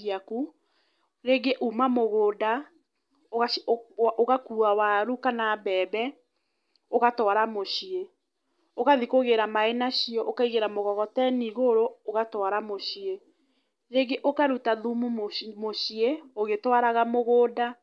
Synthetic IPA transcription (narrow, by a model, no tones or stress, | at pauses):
aku | ɾeːɡeʔumamoɣoːda | oaʔoɣakuawaɾukanabɛbɛ | oɣatwaɾamoɕie | oɣaðikoɣeɾamaenaɕiɔʔokaiɣeɾamoɣɔɣɔtɛniɣoɾooɣatwaɾamoɕie | ɾeːɡeʔokaɾutaðumummoɕieoɣetwaɾaɣamoɣoːda